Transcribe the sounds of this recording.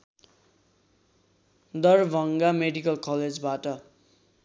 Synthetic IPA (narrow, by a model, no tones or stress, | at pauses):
d̪ʌrbʱʌŋɡameɽikʌlkʌled͡zbaʈʌ